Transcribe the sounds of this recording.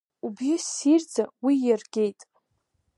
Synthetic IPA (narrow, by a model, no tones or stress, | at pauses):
ubɪsird͡zawijarɡʲe̞jtʼ